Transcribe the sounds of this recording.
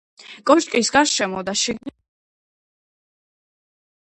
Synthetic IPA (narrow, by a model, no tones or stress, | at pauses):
kʼɔʃkʼisɡaɾʃɛmɔd̪aʃiɡn